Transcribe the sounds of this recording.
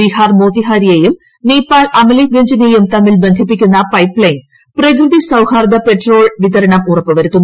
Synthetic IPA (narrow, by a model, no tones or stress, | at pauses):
iːhaːrmoːt̪ːiɦaːɾijejum | neːpːaːɭɐmɐliɡeɲd͡ʑɐnejumt̪ɐmːilbe̞nd̪ʱipːikʲːunːɐpɐjpːɭɐjn | prɐk̬ɾɨðisɐwhaːɾd̪ɐpe̞ʈro̞ːɭʋiðɐɾɐɳɐmurɐpːɨʋɐɾut̪ːunː